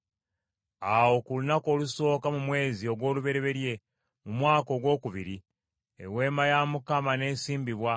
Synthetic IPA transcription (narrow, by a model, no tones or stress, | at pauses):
awo̞kulunako̞ːluso̞ːkamumwe̞ːzio̞ɡwo̞ːluβe̞ɾe̞βe̞ɾje̞ | mumwaːko̞ɡwo̞ːkuβiɾi | ḛwe̞ːmajamukamane̞ːsiːmbiβwa